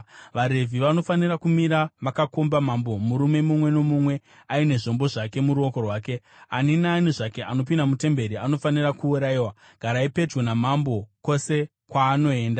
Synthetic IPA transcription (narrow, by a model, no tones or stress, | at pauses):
ʋaɾe̞vʱiʋano̞fanirakumiɾamakako̞mbamambomuɾume̞mumwe̞no̞mumwe̞ | aine̞ʐo̞mbo̞ʐake̞muɾuo̞ko̞rwaːke̞ | aninaːniʐake̞ʔanopindamute̞mbe̞ɾiano̞fanirakuːɾaiwa | ɡ̥ʱaɾaipe̞d͡ʒwonamambo̞ko̞se̞ | kwaːno̞e̞ːnda